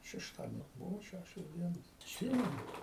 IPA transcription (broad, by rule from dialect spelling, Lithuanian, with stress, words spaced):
ʃʲɛʃˈtɑːdʲiɛnʲoː ˈbʊʋoː ˈʃʲæʃʲoːs ˈdʲiɛnoːs ɐtʲˈsʲiːmʲɛnʊ